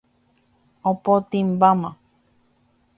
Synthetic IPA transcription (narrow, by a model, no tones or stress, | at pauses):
opot̪imbamã